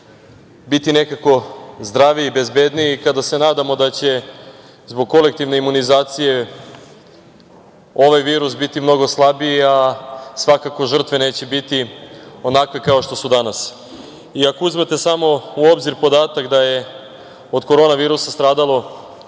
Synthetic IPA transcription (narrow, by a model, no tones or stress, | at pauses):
bit̪ine̞kako̞zd̪ɾaːʋiːbe̞zbed̪niːkad̪ase̞naːd̪amo̞d̪at͡ɕe̞ | zbo̞ɡ̚ko̞lek̚t̪iʋneimunizaːt̪sije̞ | o̞ʋajʋiːɾusbit̪imno̞ɡo̞slˠabiiasʋakako̞ʒr̩t̪ʋe̞ne̞ːt͡ɕe̞bit̪io̞nakʋe̞kao̞ʃt̪o̞sud̪anas | iako̞uzmet̪e̞samo̞uobziɾpo̞d̪aːt̪akd̪aje̞ | o̞d̪ko̞ɾo̞ːnaʋiːɾusast̪ɾaːd̪alˠo̞